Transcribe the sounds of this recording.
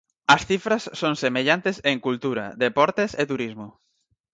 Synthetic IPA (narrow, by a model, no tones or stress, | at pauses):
ɐsθifɾɐsːõŋsemeʎant̪eseŋkult̪uɾɐ̰ðepɔɾt̪eset̪uɾizmʊ